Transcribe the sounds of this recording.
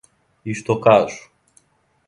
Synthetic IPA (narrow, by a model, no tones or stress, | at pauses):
iʃt̪okasu̥